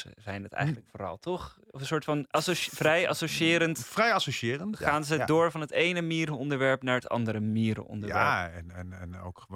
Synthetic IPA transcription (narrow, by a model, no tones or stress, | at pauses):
ə̰zɛjnətɛ̰jχətələkfoːrɑ̰lˠtʰɔχɔfənsʊːɹtfɑnsofrɛja̰soʃiɪːɾəntfrɛjɑsoʃɪːɾəntaːnzədoːɹvɑnɦətejnəmiːɾəɔndəɹʋɛɹpnaːɹətɑ̰ndəɾəmiːɾə̰ʔɔ̰ndəɹʋɛɹɛnɛnɛno̰wk